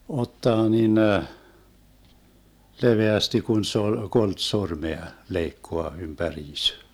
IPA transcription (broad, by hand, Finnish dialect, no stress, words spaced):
otːɑː ninə leʋeæsti kun se ol kolt sormeɑ leikːoɑ ympæriːs